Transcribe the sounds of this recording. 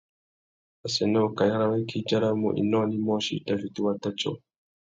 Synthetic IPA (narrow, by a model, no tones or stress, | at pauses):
asɛnɛkajaɾawakʰid͡ʒaɾamṵʔḭnɔnimɔʃḭtavit̪uwat̪at͡ʃɔ̰